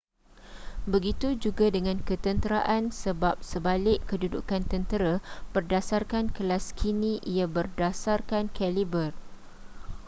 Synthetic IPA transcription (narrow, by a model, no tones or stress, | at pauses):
bəɡit̪ud͡ʒuɡadəŋãnkət̪ənt̪əɾaʔansəbap̚səbalɪʔkːədudṵkant̪ənt̪əɾab̥ərdasarkankəlaskʰinĩʔijabərdasarkankɛlibər